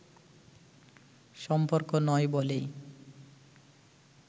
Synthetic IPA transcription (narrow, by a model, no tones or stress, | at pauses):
ʃɔmpoɾkonɔebolej